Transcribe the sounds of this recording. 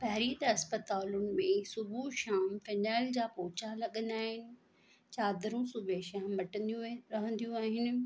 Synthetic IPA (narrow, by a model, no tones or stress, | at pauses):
pɐɦɾiːd̪ɐspət̪aːlʊnɪ̆mẽsʊbʱuʃaːmfɐnaːɪld͡ʑaːpɔːt͡ɕalɐɠə̃nd̪aːɦɪnɪ̆ | t͡ɕaːd̪ɾũsʊbʱeʃaːmːɐʈə̃jũɾɐɦə̃nd̪ijũaːɦɪnɪ̆